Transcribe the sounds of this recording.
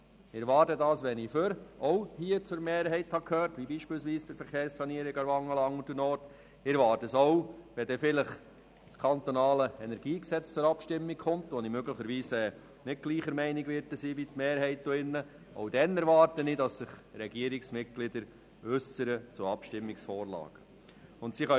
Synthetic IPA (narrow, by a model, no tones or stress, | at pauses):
ɪɛɾʋɑːɾtədɑːsʋɛniføɾɔwhiət͡sʊɾmeːɾɦɛɪthɑkʰhøːɾtʋibiːʃpɪːls̬viːsb̥ɪfəɾχeːɾssɑniəɾiɡɑɾʋɑŋəlɑŋud̥ənɔːɾt | ɪɾʋɑːtəsɔʊʋɛdɛfɪləχ | skʰɑnt̪onɑːləɛnɛɾɡ̥iːksɛt͡st͡sʊɾɑpʃtɪmːikχʊmt̪ʋɔnimøɡləχəɾʋiːsɛ | nɪt̚ɡ̥liːχəɾmɛɪnɪɡʋɪɾtəsiːbitmeːɾɦɛɪt̚d̥oɪnːə | ʔo̰ʊdɛnɛɾʋɑːɾtənidɑsːɪχɾɛɡiəɾiksmɪt̚ɡ̥lɪd̥̪əɾ | ʏsəɾət͡sʊɑpʃtɪmːiksfɔːɾlɑ̰ːɡ̥ə | ʊntsiχɑ